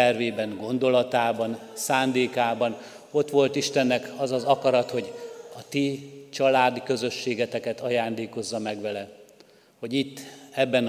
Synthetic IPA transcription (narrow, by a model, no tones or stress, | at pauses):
ɛrveːbɛŋɡo̞nd̪o̞lɒt̪aːbɒnsaːnd̪eːkaːbɒn | o̞t̪ʋo̞lt̪iʃt̪ɛnːɛkɒzɒzɒkɒɾɒt̪ho̞ɟɒt̪it͡ʃɒlaːd̪ikø̞zø̞ʃːeːɡɛt̪ɛkɛt̪ɒjaːnd̪eːko̞zːɒmɛɡʋɛlɛ | ho̞ɟit̪ːɛbːɛn